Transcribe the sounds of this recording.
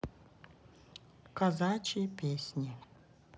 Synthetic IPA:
kɐzat͡ʃipʲesʲnʲi

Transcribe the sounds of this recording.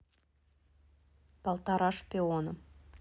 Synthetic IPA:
b̥ɑlˠt̪ɑɾɑʃpʲeonə

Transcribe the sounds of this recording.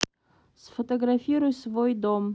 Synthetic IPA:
sfot̪ɐɡɾafʲiɾʊjsvojd̪om

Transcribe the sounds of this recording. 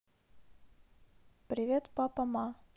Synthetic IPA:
pɾʲɪvʲet̪papɐma

